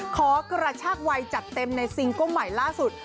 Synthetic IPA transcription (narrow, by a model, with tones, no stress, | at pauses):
kʰɔː˩˦kɾa˧t͡ɕʰaː˥˩k̚wa˧jt͡ɕa˨˩t̪ːe˧mna˧jsi˧ŋku˥˩ma˨˩jlaː˥˩su˨˩t̪̚